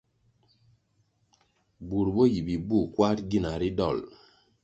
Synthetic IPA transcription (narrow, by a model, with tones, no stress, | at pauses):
bu˨ɾbo˦ji˨bi˨bu˦˨kwa˦tɡi˦˨na˨ɾi˦dɔ̰˦˨l